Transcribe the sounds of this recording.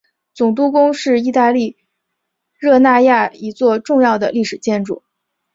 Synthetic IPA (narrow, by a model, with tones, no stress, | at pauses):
t͡sʊ˨˩ŋt̪̬u˥kʊ˥ŋʂɻ̩˥˧i˥˧t̪a˥˧li˥˧ | ɻɤ˥˧na˥˧ja˥˩i˧˥t͡swɔ˥˧ʈ͡ʂʊ˥˧ŋjɑ˥˩ʊd̪ə˩li˥˩ʂɻ̩˨˩t͡ɕjɛ˥˧nʈ͡ʂu˥˩